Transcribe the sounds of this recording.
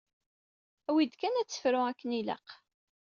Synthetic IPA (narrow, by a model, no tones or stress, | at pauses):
æwid̪kænæt͡sːə̥fɾʊækːənilə̰q